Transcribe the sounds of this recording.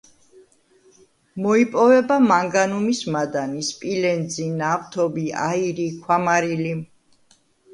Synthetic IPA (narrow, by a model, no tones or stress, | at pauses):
mɔipʼɔvɛbamaŋɡanumismad̪anispʼilɛnd̪zinavt̪ʰɔbia̰iɾikʰwamaɾilim